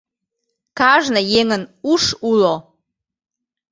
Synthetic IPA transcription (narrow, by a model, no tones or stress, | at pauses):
kɑʒnəjeŋənuʃulo